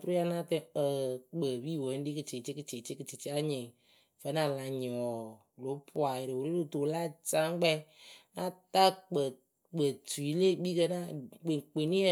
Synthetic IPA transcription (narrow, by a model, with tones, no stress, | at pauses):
tu˦ɾa˦na˦tɨ˧ə˨k͡pə˨bi˦˨wə˨˦n˦di˦kɨ˨t͡ʃe˨t͡ʃe˦kɨ˨˧t͡ʃe˨t͡ʃe˦kɨ˨t͡ʃi˨t͡ʃi˦a˦ɲɪ˨ŋ | fə˦na˨la˧ɲ˨ɔ˨ | lo˨˦pʰu˦a˨jɪ˨ɾe˨wo˨le˦lu˨to˨˦la˦t͡ʃa˦ŋ˦ɡ͡bɛ˦na˦ta˦k͡pə˨ | k͡pə˨tu˨i˦le˦bi˦kə˧˦na˦˨k͡pe˨k͡pe˨ni˦ə˦